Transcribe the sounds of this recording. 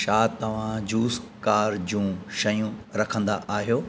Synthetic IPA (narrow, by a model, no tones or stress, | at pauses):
ʃaːt̪ɐʋ̤ãd͡ʑuːskaːɾd͡ʑũːʃɐjũɾɐkʰə̃nd̪a̰ʔaːɦijoː